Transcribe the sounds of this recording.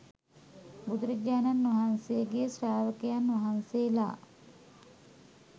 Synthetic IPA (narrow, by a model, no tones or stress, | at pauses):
bud̪uɾɐd͡ʒaːnanːʋaɦansejəɡesraːʋəkejanːʋaɦansejla̰ː